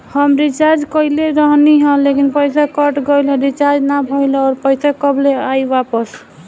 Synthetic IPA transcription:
həmɾit͡ʃaɾd͡ʒkəileɾəɦniɦə̃lekinpəjsakəʈɡəjlẽɾit͡ʃaɾd͡ʒnabʱəjlɔːɾpəjsakəbleajbapəs

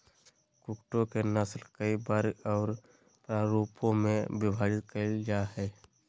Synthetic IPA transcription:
kʊkʈõkenəslkəibaːɾɔːɾ | pɾaːɾoːpõmẽbɪbʱaːɾɪt̪̚kəld͡ʒaːɦɛː

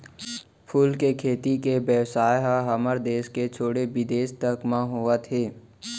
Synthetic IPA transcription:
pʰuːlkekʰeːt̪ikebjəʋsaːjɦəɦɐməɾd̪eːsket͡ʃʰoːɽebɪd̪eːst̪əkmãɦoat̪ʰeː

